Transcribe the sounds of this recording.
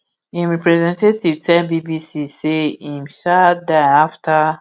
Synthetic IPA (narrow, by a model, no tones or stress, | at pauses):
ĩmɹɛpɾɛzɛ̃ntetivtʰɛ̃mbibisiseĩmʃadaaftʰa